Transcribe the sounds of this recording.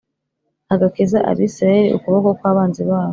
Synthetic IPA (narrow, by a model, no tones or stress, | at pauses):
aɡakizaʔa̰ɾiisɾaeɾiṵkuβokokwaːβaːnzeβaːβo